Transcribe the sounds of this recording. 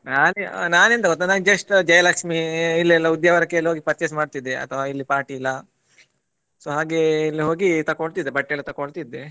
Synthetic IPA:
naːnenaːnent̪ɐɡɔt̪ːanaːnd͡ʒɐʂʈd͡ʒɐjɐlaːkʂmiilːɐlːɐud̪jɐʋɐɾɐkːeliɦoːɡipɐt̪t͡ʃesmaːɖt̪id̪ːeɐ̰t̪ʰɐʋailːipaːɾʈiːlːɐ | soːɦaːɡe̞ilːiɦo̞ːɡit̪ɐkoɭt̪id̪ːebɐʈːelːut̪ɐkoɭt̪id̪ːe

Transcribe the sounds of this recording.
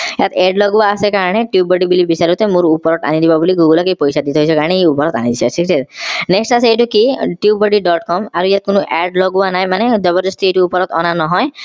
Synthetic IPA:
jat̪eɖlɔɡuaːsekaɾɔɽ̃eʈjiubɔɖibilibisaɾut̪emũɾupɔɾɔt̪a̰nid̪ibabuliɡuɡulɔkejpɔjsad̪it̪eɦojsʰɔkaɹɔɽ̃eeupɔɾɔt̪a̰niiiasʰiksetneksʈasejʈukiʈiubɔɖiɖɔʈkɔmaɾujat̪̚konuʔɛɖlɔɡuanajmaned̪ɔbɔɾd͡ʒɔst̪ʰiejʈuupɔɾɔt̪ɔ̰nanɔɦɔj

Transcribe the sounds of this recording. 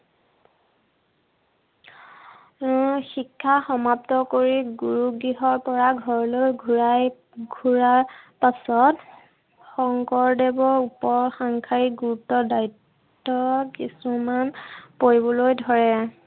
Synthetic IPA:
xikʰːaxɔmap̚tɔkoɹiɡuɹuɡɹiɦɔɹpɔɹaɡʱɔɹlojɡʱuɹaj | ɡʱuɹaɹpasɔt | xɔŋkɔɹdebɔupɔɹxaŋkʰaɹiɡuutɔdaitː | ɔkisumanpoɹibɔlojdʱɔɹɛ

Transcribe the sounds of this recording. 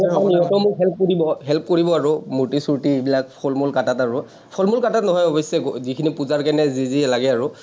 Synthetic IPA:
ɔniɦɔtɔmʊkɦɛlp̚koɹibɔɦɛlp̚koɹibɔaɹʊmutisuɹtiebilak̚pʰɔlmulkatataɹʊ | pʰɔlmulkatatnɔɦɔjɔbɔsɛzikʰinipuzaɹkɛnɛzizilaɡɛaɹʊ

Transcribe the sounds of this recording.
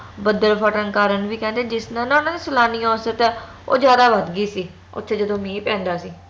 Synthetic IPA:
bəd̪əɾpʰəʈənkaːɾənʋiːkɛ̃ːnd̪eːd͡ʒɪsnãːnãːʊnãːd̪iːsəlaːniːɔ̃ːsət̪ɛː | o̰ːd͡ʒjaːd̪aːʋəd̪ɡiːsiː | ʊ̰t̪ʰːʃed͡ʒəd̪õːmĩːpɛ̃ːnd̪aːsiː

